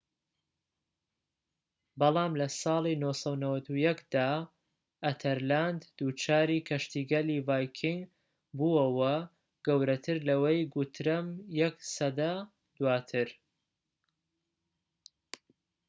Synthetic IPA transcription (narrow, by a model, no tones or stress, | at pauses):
bɑlˠɑːmlɐsɑːlˠinosɐnɐwɐt̪ujɐkd̪aː | ʔɐt̪ʰɐɾland̪d̪uːt͡ʃʰaːɾiːkʰɐʃt̪iːɡɐlivaːjkʰɪŋɡ | buːɐwɐ | ɡ̥ɐwɾɐt̪ʰɨɾlɐwejɡut̪ʰɾɐmjɐksɐd̪ɐ | d̪̥waːt̪ʰɨɾ